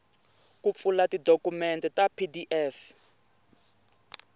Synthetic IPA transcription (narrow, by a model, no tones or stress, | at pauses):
kup̪fulatidokumɛntɛtapʰidiʔɛf